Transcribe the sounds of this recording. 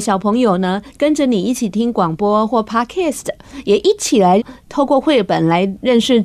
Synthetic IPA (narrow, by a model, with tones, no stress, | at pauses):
ɕjɑ˨˩ʊpʰɤ˧˥ŋjo˨˩ʊnə˦kə˦nʈ͡ʂə˨ni˨˩i˥˩t͡ɕʰi˨˩t̪ʰi˥ŋkwɑ˨˩ŋpwɔ˥xwɔ˥˩pʰa˥kʰɛ˥˩st̪jɛ˨˩ʔi˥˩t͡ɕʰi˨˩la˧˦ɪt̪ʰo˥˧ʊkwɔ˥˧xwe˥˩pə˨˩nla˧˥ɪɻə˥˧nʂɻ̩˥˩